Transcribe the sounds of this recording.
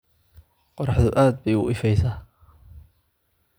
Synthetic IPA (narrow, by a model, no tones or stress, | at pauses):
qɔrɾɑħðʊʔaːd̪̚bɛjʊ̰ʔɪfɛjsaː